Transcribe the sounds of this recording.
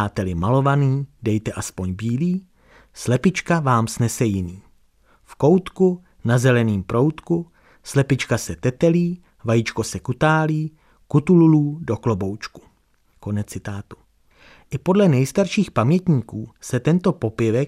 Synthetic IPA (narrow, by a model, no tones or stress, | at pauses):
aːt̪ɛlɪmalo̞vaniːdɛjt̪ɛʔaspo̞ɲbiːliː | slɛpɪt͡ʃkavaːmsnɛsɛjɪniː | fko̞wt̪ku | nazɛlɛniːmpɾo̞wt̪ku | slɛpɪt͡ʃkasɛt̪ɛt̪ɛliː | vajɪt͡ʃko̞sɛkut̪aːliː | kut̪ululuːdo̞klo̞bo̞wt͡ʃku̥ | ko̞nɛt͡sɪt̪aːt̪u̥ | ʔɪpo̞dlɛnɛjst̪aɾʃiːxpamɲɛt̪ɲiːkuːsɛt̪ɛnt̪o̞po̞pɪvɛ